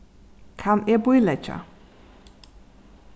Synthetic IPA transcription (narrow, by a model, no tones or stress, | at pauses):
kʰamɛbujlɛt͡ʃʰʼa̰